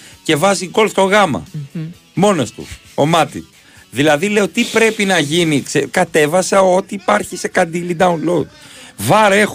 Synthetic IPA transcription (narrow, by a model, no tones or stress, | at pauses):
ce̞vɐziɡo̞lft̪o̞ɣɐmɐ̰ | mo̞nost̪ṵ | o̞mɐt̪ḭ | ðilɐðile̞ot̪ipɾe̞pinɐʝiniksekɐt̪e̞vɐsɐo̞t̪iːpɐɾçise̞kɐnd̪ilid̪ɐunlod̪̚vɐɾe̞x